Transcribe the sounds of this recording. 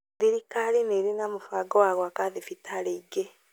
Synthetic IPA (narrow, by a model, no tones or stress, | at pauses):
ðiɾikalineɾinamufaɡɔwaɣwakaðifitʰaleiɡe